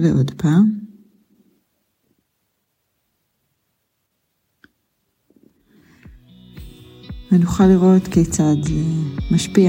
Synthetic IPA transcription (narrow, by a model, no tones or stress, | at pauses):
leʔod̪pʰaːm | venuχaliʁo̞tket͡sad̪maʃpia